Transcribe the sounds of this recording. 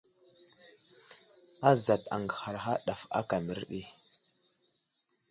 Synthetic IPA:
a˦za˨ta̰˨ŋɡha˨ɾɦa˦ɗa˨fa̰˦ka˨mi˨ɾɗi˦

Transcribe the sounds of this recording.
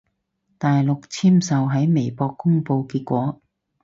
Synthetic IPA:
t̪aː˨jlʊ˨k̚t͡sʰiː˥msɐ˨wɦɐ˨˥jme˨˩jpɔː˧kːʊ˥ŋpo˧wkiː˧t̚kʷɔː˨˥

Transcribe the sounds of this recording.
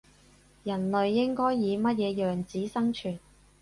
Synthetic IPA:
jɐ˨˩nlɵ˨ɥːɪ˥ŋkɔː˥jːiː˨˧mɐ˥t̚jɛː˨˧jœː˨ŋt͡siː˨˥sɐ˥ŋt͡ʃʰyː˨˩n

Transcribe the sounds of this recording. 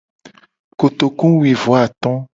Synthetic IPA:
ko˨t̪o˨kũ˦we˨vo˨˦a˨t̪ɔ̃˦

